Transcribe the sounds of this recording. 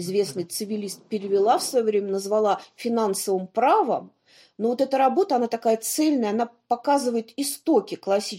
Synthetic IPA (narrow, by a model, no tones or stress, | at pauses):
ɪzvʲe̞snɨjt̪sɨvʲɪlʲist̪̚pʲɪɾʲɪvʲɪlˠafsvɐjovɾʲemʲənəzvɐlˠafʲɪnansəvəmpɾavə̰m | novo̞t̪ɛt̪əɾɐbo̞t̪əɐnat̪ɐkajət̪sɛlʲnəjəɐnapɐkazɨvəjɪt̪ɪst̪okʲɪklˠɐsʲi